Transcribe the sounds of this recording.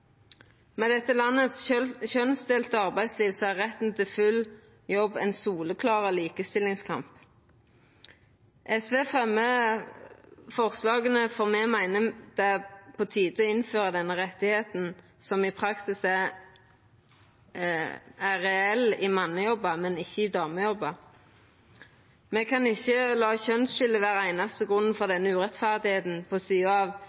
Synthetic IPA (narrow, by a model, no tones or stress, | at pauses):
mɛd̪ɛt̪ːəlɑnːət̪sçœnst̪eːlt̪əɑʁbæɪd̪sliːʋsɔæʁʁɛt̪n̩t̪ʰɪlfʉl | jɔbɛ̰nsuːləkʰlɑːʁəliːkəst̪ɪlɪŋskʰɑ̰mp | ʔɛsʋeːfʁɛmə | fɔʁslɑːɡənəfoːʁmɛmæɪnəd̪̥ɛpʰoːt̪ʰiːd̪əɔɪnføːʁəd̪ɛnːəʁɛt̪ːɪheːt̪n̩ | sɔmɪpʰʁɑksɪs | æʁɛɛlɪmɑnːəjɔbːɑmɛnɪçːəɪd̪ɑːməjɔbɑ | mɛkʰɑnɪçːəlɑːçœnsʃʏləʋæːʁæɪnɑst̪əɡʁʉnn̩fɔʁd̪ɛnːəʉːʁɛt̪fæʁd̪ɪheːt̪n̩pʰosyːɑʋ